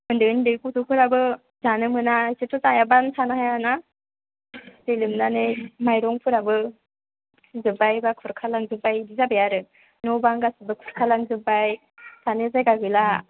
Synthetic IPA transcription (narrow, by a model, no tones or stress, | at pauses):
mɯndɯndɯkutupʰɯɾabɯ | zanɯmɯnasetʰutajabansʰanaɦajana | zelɯmnanemajɾɔŋpʰɯɾabɯ | sizɯbajbakʰuɾkʰalaŋzɯbajdizabejaɾɯ | nɔbaŋɡasɯbɯkʰuɾkʰalaŋzɯbaj | sʰanezajɡaɡɯla